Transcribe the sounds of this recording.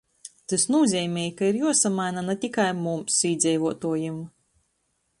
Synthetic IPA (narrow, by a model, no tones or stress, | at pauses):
t̪ɨsnuɔzʲɛːmʲɛːjkaiɾjuɔsamajnanat̪ʲikajmumsiːd̪zʲɛjvuɔt̪uɔjum